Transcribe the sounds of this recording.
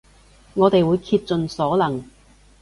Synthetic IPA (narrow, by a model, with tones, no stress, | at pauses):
ŋɔː˨˧t̪e˨jwuː˨˧jkʰiː˧t̚t͡sɵ˨nsɔː˨˥lɐ˨˩ŋ